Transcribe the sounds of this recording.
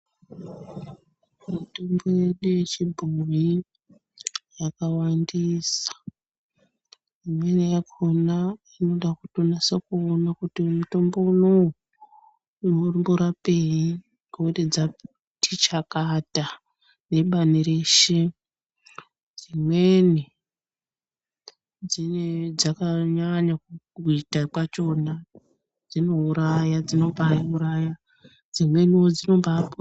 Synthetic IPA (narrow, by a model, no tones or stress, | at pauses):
muto̞mboje̞ɗuje̞t͡ʃibʱumi | jakawandiːsḁ | imwe̞nejakonaino̞ɗakutonasekuonakutimuto̞mbo̞unou | unurimboɾape̞i | ɡʱoded͡za | tʰit͡ʃakata | ne̞ɓaniɾe̞ʃe | d͡zimweni | d͡zined͡zakaɲaɲaku | uitakwat͡ʃo̞na | d͡zino̞uɾajad͡zino̞bauɾaja | d͡zimwe̞niod͡zino̞mbapo